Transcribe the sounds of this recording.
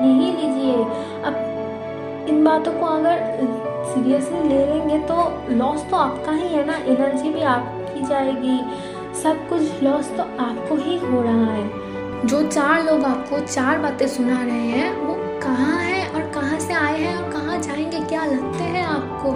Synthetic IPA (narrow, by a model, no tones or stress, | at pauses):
jɐɦiliːd͡ʒieː | ɐb̚ | ɪnbaːt̪õkoɐɡəɾsiːɾijəslileːlẽːŋɡet̪o | lɔːst̪oaːpkaɦĩɦɛnaʔɪnəɾd͡ʒibʱiaːp̚ | kid͡ʒaːeːɡiː | sɐb̚kʊt͡ʃʰlɔːst̪oaːp̚koɦid͡ʒʱoːɽaɦaɦɛː | d͡ʒoːt͡ʃaːɾloːɡaːp̚kot͡ʃaːɾbaːt̪ẽsʊnaɾɐɦeɦɛ̃ːʋo | kɐɦãɦɛ̃ʔɔːɾkɐɦãseaːeɦɛ̃ɔːɾkɐɦãd͡ʒaːẽːŋɡekjaːlɐɡt̪eɦɛ̃aːp̚koː